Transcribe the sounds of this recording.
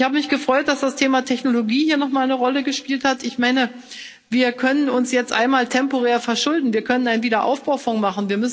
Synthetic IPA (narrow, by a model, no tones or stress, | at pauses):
ɪçhaːbəmɪçɡ̥əfʁ̥ɔʏt̚d̥asd̥astʰeːmatʰɛçnoloɡiːhiːɐnɔχmaːlnəʁɔləɡəʃpiːlthatɪçmaɪnə | viːɐkʰœnənʊnsjɛt͡stʔa̰ɪnmaːltʰɛmpoʁɛːɐfɛɐʃʊldn̩viːɐkʰœnənaɪnviːdɐʔa̰ʊfb̥aʊfʊŋmaχn̩viːɐmʏsn